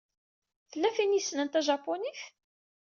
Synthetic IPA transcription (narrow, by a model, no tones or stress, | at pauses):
θəlːæfinisnənt̪æʒɑpːoniθ